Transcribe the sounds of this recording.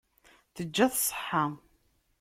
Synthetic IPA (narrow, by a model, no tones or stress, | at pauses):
θəd͡ʒːæθsˤħːa